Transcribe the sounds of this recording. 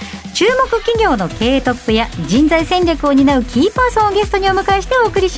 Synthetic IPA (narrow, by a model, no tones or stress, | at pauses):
t͡ɕɨːmo̞kɯ̟kʲiɡʲo̞ːno̞ke̞ːt̪o̞pːɯ̟jad͡ʑĩnd͡zaisẽ̞ɲʲɾʲakɯ̟o̞ɲ̟inaɯ̟kʲʰiːpaːsõoɡʲe̞sɨ̥t̪o̞ɲ̟io̞mɯ̟kaeɕi̥t̪e̞o̞ːkɯ̟ɾʲiɕi